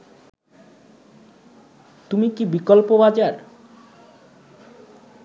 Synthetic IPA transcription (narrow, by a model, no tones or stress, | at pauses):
t̪umikibikolpobad͡ʑaɾ